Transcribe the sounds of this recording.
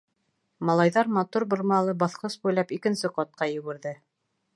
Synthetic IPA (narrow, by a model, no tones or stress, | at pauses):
mɑlˠɑjðɑɾmɑt̪uɾbŏɾmɑlˠɤbɑθqɤsbujlˠɑpikɘ̆nsɘqɑt̪̚qɑjɵ̆ɡɘ̆ɾðɘ